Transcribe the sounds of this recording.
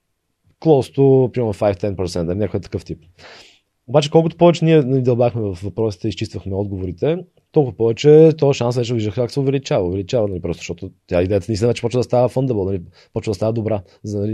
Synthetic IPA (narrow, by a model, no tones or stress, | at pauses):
klˠɔst̪opɾimɛnofajft̪ɛnpɾot̪sɛnt̪nɐlinʲɲakojət̪ə̥kɤft̪ip | obat͡ʃɛkɔlˠkʊt̪o̥pɔvɛt͡ʃɛniɛnɐlid̪ɐlˠbaxmɛvɐfvɐpɾɔsi̥t̪ɛist͡ʃist̪vəxmɛɔd̪ɡovoɾit̪ɛ | t̪ɔlˠkʊvɐpɔvɛt͡ʃɛt̪ɔəʃansvɛt͡ʃɛd̪viʒd̪əxkaksɛʊvɛlit͡ʃavəovɛlit͡ʃavənɐlipɾɔst̪o̥ʃt̪ɔt̪ʊt̪ʲaid̪ɛjət̪ənisnvɛt͡ʃɛ̥pɔt͡ʃvəd̪ɐst̪avəfənd̪ɛbəlˠnɐli | pɔt͡ʃvəd̪ɐst̪avəd̪obɾa | znɐli